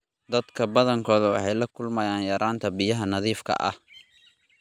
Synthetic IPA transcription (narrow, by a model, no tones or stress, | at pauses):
d̪ɐd̪kʰɐbɐðɐŋkʰɔːðɐwɑ̰ħɑjlɐkʰʊlmɐjaːnjɐɾʔaːnt̪ʰɐbɪjɐɦɐnɐðiːfkʰɐ̰ʔɐ̰h